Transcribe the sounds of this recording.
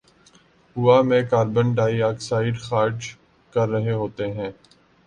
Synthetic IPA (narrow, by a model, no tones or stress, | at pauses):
ɦʊamẽːkaːɾbənɖaːiaːksaːɪɖxaːɾd͡ʒ | kɐɾːɐɦeɦoːt̪eɦɛ̃ː